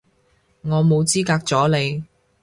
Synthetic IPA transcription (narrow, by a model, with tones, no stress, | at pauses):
ŋɔː˨˧mo˨˧wt͡siː˥kaː˧k̚t͡sɔː˨˥le˨˧j